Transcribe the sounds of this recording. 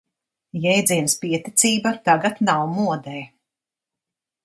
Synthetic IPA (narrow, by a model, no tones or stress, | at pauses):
jɛjd̪ziɛnspiɛt̪it̪siːbat̪aɡat̪nawmuɔd̪ɛj